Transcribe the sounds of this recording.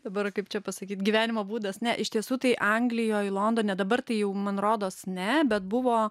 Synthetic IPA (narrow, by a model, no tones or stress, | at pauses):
d̥̪ɐbɐrkɐɪpt͡ʃʲɛpɐsɐkʲiːt̪ɡʲiʋʲæːnʲɪmoːbuːd̪ɐsnʲɛʔɪʃt̪ʲiɛsuːt̪ɐɪʔɐŋɡlʲɪjoːɪlˠoːnd̪oːnʲɛd̪ɐbɐrt̪ɐɪjɛʊmɐnroːd̪oːsnʲɛbʲɛt̪̚bʊʋoː